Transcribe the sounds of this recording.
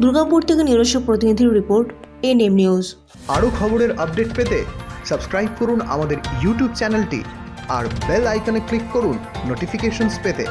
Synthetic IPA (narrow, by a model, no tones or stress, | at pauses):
d̪uɾɡampoɾt̪ʰekeniɾd̪oʃok̚pɾot̪inid̪ʱiɾɾipoɾʈenemniuz | aɽokʰɔboɾeɾəp̚ɖeʈpet̪esəbskɾajb̚koɾuna̰mad̪eɾjuʈjubt͡ɕɛnelʈḭ | a̰ɾbelajkoneklikːoɾunːoʈifikeʃonspet̪ḛ